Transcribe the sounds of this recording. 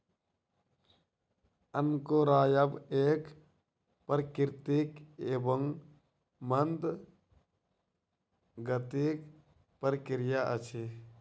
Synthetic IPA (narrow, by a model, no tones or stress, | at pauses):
ənkoɾaːjəbeːk | pəɾkɪɾt̪ikeːbəŋ | mənd̪ | ɡət̪ik | pəɾkɪɾjaʔət͡ʃʰe